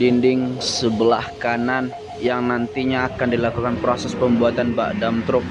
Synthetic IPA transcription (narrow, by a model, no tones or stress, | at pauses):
dindɪŋsəbəlahkanan | jaŋnant̪iɲaːkandilakukanpɾosɛspəmbuat̪anba̰ʔdamt̪ɾʊk̚